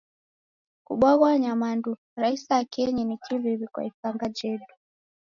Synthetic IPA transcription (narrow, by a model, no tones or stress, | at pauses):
kṵɓaɣwaɲamandu | ɾaisiakɛɲinikiviβikwa̰ifaŋɡad͡ʒɛɗu